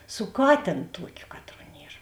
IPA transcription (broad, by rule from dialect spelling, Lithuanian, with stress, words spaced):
sʊ ˈkɑːtʲeːn ˈtuɔkʲʊ ˈkɑːtˌruɔ ˈnʲiɛr